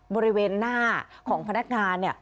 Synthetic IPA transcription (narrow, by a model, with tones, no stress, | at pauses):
bɔː˧ɾi˦˥weː˧nːaː˥˩kʰɔː˩˦ŋpʰa˧na˦˥k̚ŋaː˧nːi˥˩ɐ